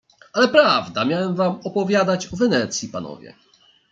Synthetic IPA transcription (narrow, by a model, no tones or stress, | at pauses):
alɛpɾavd̪amʲjawɛmvamɔpɔvʲjad̪at͡ɕɔvɛnɛt̪sʲjipanɔ̰vʲjɛ̰